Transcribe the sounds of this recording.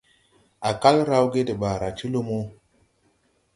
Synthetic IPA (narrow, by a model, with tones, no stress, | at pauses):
a˨ka˦lɾa˦wɡe˦ti˨ɓa˨ɾa˨t͡ʃi˦lo˦mo˦